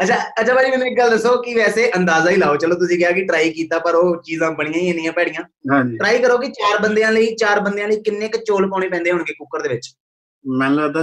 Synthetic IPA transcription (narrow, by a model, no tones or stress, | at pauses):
ətt͡ʃʰaːətːt͡ʃʰaːbaːd͡ʒiːmɛːnũːɪk̚ɡəld̪əsːoːkɪʋɛːseːʔənd̪aːzaːiːlaːoːt͡ʃəloːt̪ʊsĩːkɪjaːkɪʈɾaːiːkiːt̪aːpəɾoːt͡ʃiːzãːbəɽ̃ĩjãːiẽːnijãːpɛːɽijãːãːd͡ʒiʈɾaːiːkəɾoːkɪt͡ʃaːɾbənd̪eãːləiːt͡ʃaːɾbənd̪ejãːləiːkɪnːeːkt͡ʃoːlpaːɽ̃iːpɛ̃ːnd̪eːɦʊɳɡeːkʊkːəɾd̪eːʋɪt͡ʃ | mɛ̃ːnləɡd̪